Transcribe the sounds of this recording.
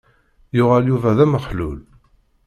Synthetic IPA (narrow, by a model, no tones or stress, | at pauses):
jʊʁæljuvæðæməχlul